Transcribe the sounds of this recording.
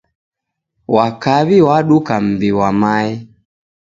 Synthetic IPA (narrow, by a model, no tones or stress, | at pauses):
wakaβiwaɗukam̩biwamaɛ